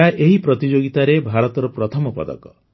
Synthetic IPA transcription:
aʔeɦipɾɔt̪id͡ʒoɡit̪aɾebʱaɾɔt̪ɔɾɔpɾɔt̪ʰɔmɔpɔ̰d̪ɔ̰kɔ

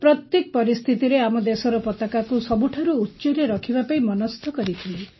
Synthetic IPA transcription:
pɾɔt̪jek̚pɔɾist̪ʰit̪iɾeamɔd̪esɔɾɔpɔt̪akakusɔbuʈʰaɾuːtːt͡ʃɔɾeɾɔkʰibapaimɔnɔst̪ʰɔkɔɾit̪ʰile

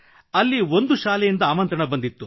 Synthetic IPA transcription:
ɐlːio̞nd̪uʃaːlɛjind̪ɐaːmɐnt̪ɾɐɳɐbɐnd̪it̪ːu

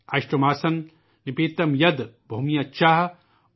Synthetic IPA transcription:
aʃʈɐmaːsɐn | nipiːt̪ɐmjɐd̪bʱomijɐt͡ʃaɦ

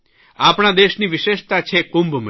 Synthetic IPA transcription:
apɳ̃ad̪eʃniʋɪʃeʃt̪at͡ʃʰekumbm

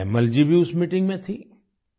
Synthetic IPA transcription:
məld͡ʒibʱiʊsmiʈɪ̃ŋɡmẽt̪ʰi

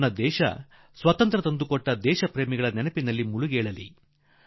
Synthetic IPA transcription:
nɐd̪ɛːʃɐ̰ | sʋɐt̪ɐnt̪ɾɐt̪ɐnd̪ukɔʈːɐd̪ɛːʃɐpɾeːmiɡɐɭɐnɛnɐpinɐlːimuɭuɡeːɭɐlḭ

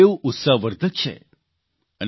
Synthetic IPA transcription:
eũʔut̪saɦʋəɾd̪ʱət͡ʃʰḛ | ən

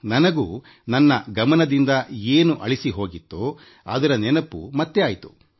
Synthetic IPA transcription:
nɐnɐɡuː | nɐnːɐɡɐmɐnɐd̪ind̪ɐeːnuʔɐ̰ɭisiɦo̞ːɡit̪ːu | ɐ̰d̪ɐɾɐnɛnɐpːṵmɐt̪ːeaːjt̪u̥

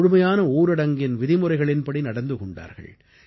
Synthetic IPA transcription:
ɻʊmɐjaːnɐuːɾɐɽɐŋɡɪnʋɪðɪmʊrɐɪɣɐɭɪnbɐɽinɐɽɐnd̪ɯkɔɳɖa̰ːɾɣɐ̰ɭ

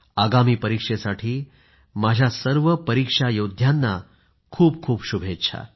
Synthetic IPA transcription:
aɡamiːpəɾikʂesaʈʰiː | mad͡ʑʱjasəɾʋəpəɾikʂajod̪ʱjanːa | kʰuːp̚kʰuːpɕubʱet̪t͡ɕʰa̰

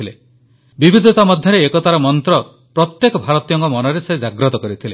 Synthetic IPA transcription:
ile | bibʱid̪ʱɔt̪amɔd̪ʱjɔɾeːkɔt̪aɾɔmɔnt̪ɾɔ | pɾɔt̪jekɔbʱaɾɔt̪ijɔŋkɔmɔnɔɾesed͡ʒaɡɾɔt̪ɔkɔɾit̪ʰile

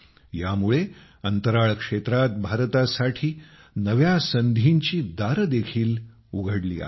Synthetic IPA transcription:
jamuɭe | ənt̪əɾaɭkʂet̪ɾat̪̚bʱaɾt̪asaʈʰiː | nəʋjasənd̪ʱiɲt͡ɕiːd̪aɾəd̪ekʰiːl | uɡʱəɽlḭːa̰

